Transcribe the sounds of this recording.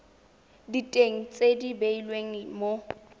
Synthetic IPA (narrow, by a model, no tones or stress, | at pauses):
ditʼeŋ̩t͡sʼedibeilweŋ̩mo